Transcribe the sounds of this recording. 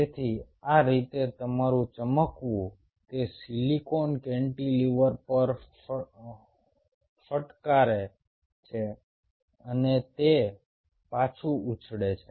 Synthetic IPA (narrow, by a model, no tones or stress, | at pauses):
et̪ʰi | aɾit̪et̪əmaɾũt͡ʃəməkʋũ | t̪esilikonkẽɳʈiliʋəɾpəɾ | fəʈkaɾe | t͡ʃʰe | ənet̪e | pat͡ʃʰuut͡ʃʰɽet͡ʃʰe